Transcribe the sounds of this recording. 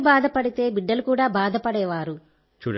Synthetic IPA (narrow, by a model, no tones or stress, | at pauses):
baːd̪ʱɐpɐɽit̪e̞ːbiɖːɐlukuːɽaːbaːd̪ʱɐpɐɽɛːʋaːɾu | t͡ʃuː